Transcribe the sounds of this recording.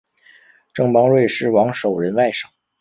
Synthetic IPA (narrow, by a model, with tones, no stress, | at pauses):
ʈ͡ʂɤ˥˩ŋpɑ˥ŋɻwe˥˧ɪʂɻ̩˥˩wɑ˧˥ŋʂo˨˩ʊɻə˧˥nwa˥˩ɪʂɑ̥˨˩˦